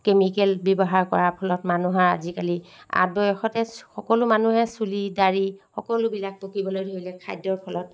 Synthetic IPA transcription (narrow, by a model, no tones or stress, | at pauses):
kemikɛlbɔbɔɦaɹkɔɹapʰɔlɔtmanuɦaɹa̰zikalia̰t̚bɔjɔxɔtɛxɔkɔlʊmanuɦɛsulidaɹixɔkɔlʊbilak̚pokibɔlojdʱoilɛkʰajdːɔɹpʰɔlɔt̚